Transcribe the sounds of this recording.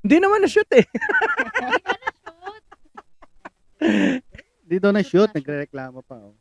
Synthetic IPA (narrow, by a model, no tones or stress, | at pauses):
hɪnd̪inɐmanɐʃʊt̪ɛ | t̪̚ | nd̪id̪onɐʃʊt̪̚nɐɡɾɛɾɛklaːmopɐʔo